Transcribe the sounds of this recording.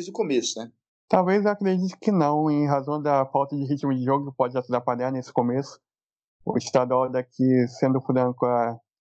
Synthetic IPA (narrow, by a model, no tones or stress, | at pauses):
zd̪ʊkomesʊnɛ | t̪awvejzewakɾed͡ʒit̪ʊ̥kɪnɐ̃w̃ẽj̃ɦazɐ̃w̃d̪ɐfawt̪ɐd͡ʒɪɦit͡ʃimʊd͡ʒɪʒoɡʊkɪpɔd͡ʒɪat̪ud̪aɾpalanesɪ̥komesʊ̥ | ʊ̰ɪʃt̪ad̪ʊawd̪ɐkʰɪsẽnd̪ʊfɾɐ̃kʊa